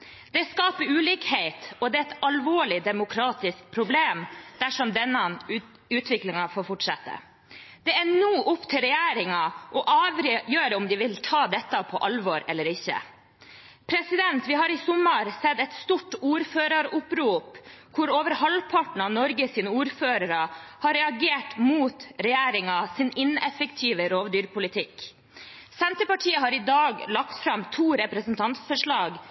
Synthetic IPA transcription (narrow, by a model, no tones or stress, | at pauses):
d̪̥ɛskɑːpəɾʉːliːkheɪt̪ɔd̪ɛːɛt̪ɑlʋoːɭɪd̪ɛmʊkʰɾɑːt̪ɪsk̚pʰɾʊbleːmd̪̥æʂɔmd̪ɛnːə | ʉːt̪ʰʋɪklɪŋɑfoːɾfɔʈʂɑt̪ːə̰ | d̪̥ɛænuːʔʊpːt̪ʰɪlɾɛjæːɾɪŋɑʔɔʔɑːʋɾjøːɾəɔmd̪ɪʋɪlt̪ʰɑːd̪ɛt̪ːɑpʰɔʔɑlʋɔɾɛlːəɾɪçːə̰ | pʰɾɛsɪd̪ɛnt̪ʋɪɦɑɾɪsʊmːɑɾsɛd̪ɛt̪st̪uʈːuːɾføːɾɑɾʊpɾuːpkʰʊɾoːʋəɾhɑlpʰɑʈɳ̩ɑnɔɾɡəsiːnəuːɾføːɾəɾəhɑɾɛɑɡeːʈmuːt̪ɾɛjæːɾɪŋɑsɪnɪnɛfəkt̪ʰiːʋəɾoːʋd̪yːɾpʰʊlɪt̪ʰɪk | sɛnt̪əpɑʈʰiːəɦɑɾɪd̪ɑːɡlɑk̚t̪fɾɑmt̪ʰuːɾɛpɾəsnt̪ʰɑnt̪sfɔʂɭɑːɡ